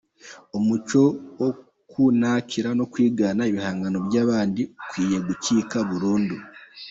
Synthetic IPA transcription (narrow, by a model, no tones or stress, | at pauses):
omut͡ʃo̞wo | kunacʰiɾano̞kwiːɡaːnaiβihaːŋɡano̞βjaːβaːndiukwiːje̞ɡuciːkaβuɾuːndu